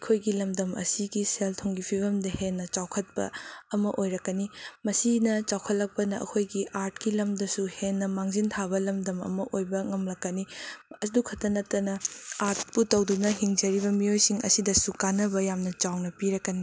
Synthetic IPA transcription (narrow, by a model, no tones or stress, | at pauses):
ɐkʰojɡilɐmdɐmɐ̰siɡiseltʰoŋɡipʰibɐmdɐhenːɐt͡ʃawkʰɐt̚pɐ̰ɐmɐʔojɾɐkːɐnimɐsinɐt͡ʃawkʰɐt̚lɐk̚pɐnɐɐ̰kʰojɡiʔaɾt̚kilɐmdɐsuhenːɐmaŋzintʰabɐlɐmdɐmɐ̰mɐʔojbɐŋɐmlɐkːɐniɐdukʰɐtːɐnɐtɐnɐaɾt̚putɐwdunɐɦiŋd͡ʒɐɾibɐmiojsiŋɐ̰sidɐsukanɐbɐjamnɐt͡ʃawnɐpiɾɐkːɐni